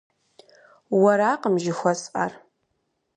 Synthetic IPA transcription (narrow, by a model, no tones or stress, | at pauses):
wɐɾaːqəmʒɪxʷɐsʼa̰r